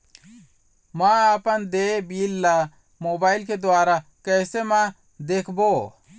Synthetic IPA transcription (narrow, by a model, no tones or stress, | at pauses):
mãaːpənd̪eːbiːlːa | moːbaːɪlked̪ʊaːɾakɛːsemã | d̪eːkʰbo